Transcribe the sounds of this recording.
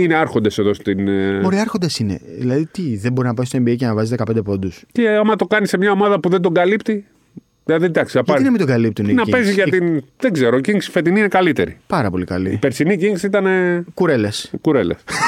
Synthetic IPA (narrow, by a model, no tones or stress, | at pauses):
ine̞ɐɾxond̪ese̞ðo̞st̪inmoɾiɐɾxo̞nd̪ɐsine̞̰ðḭlɐðit̪iðebo̞ɾinɐpɐist̪o̞embiejcenɐvɐzizðekɐpend̪epond̪usceɐmɐt̪o̞kɐnise̞mɲɐomɐðɐpuðe̞nd̪o̞ɡɐlipt̪i | ðilɐðid̪ɐksiɐpɐinɐmind̪o̞ɡɐlip̚t̪uninɐipeziʝɐt̪inðeɡze̞ɾociŋksfet̪̬ininekɐlit̪e̞̰ɾipɐɾɐpo̞likɐlḭipeɾsiniciŋisiit̪ɐne̞kuɾeleskuɾeles